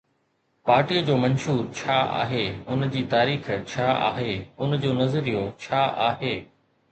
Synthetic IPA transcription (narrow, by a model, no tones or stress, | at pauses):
paːɾʈiəd͡ʑoːmɐnʃuːɾt͡ɕʰaːa̰ːɦeʊnd͡ʑiːt̪aːɾiːxt͡ɕʰaːa̰ːɦeːʊnd͡ʑoːnɐzɾijot͡ɕʰaːʔaːɦeː